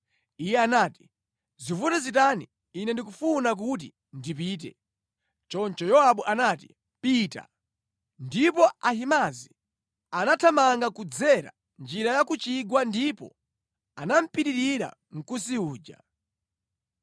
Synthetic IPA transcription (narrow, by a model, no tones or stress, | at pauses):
ijɛanaːti̥ | zifutazitaniː | nɛndik̬ufunak̬ut̬ḭ | ndipiːt̬ɛ̰ | t͡ʃɔnt͡ʃɔjɔaɓuʔanaːti̥ | pita̰ | ndipɔahimazi | anatʰamaŋɡakud͡zɛɾa̰ | nd͡ʒiɾajakut͡ʃiɡwandipɔ̰ | anam̩piɾiɾiɾa̰ | ŋ̩kusiuːd͡ʒa̰